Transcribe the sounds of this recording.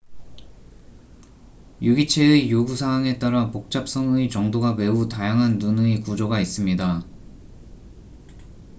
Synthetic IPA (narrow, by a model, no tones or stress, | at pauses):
juɡit͡ɕʰe̞ɯijoɡusʰaɦwaŋe̞t͈aɾapok̚t͡ɕ͈ap̚s͈ʌŋɯit͡ɕʌŋdoɡame̞utajaŋɦanːunɯikud͡ʑoɡais͈ɯmɲida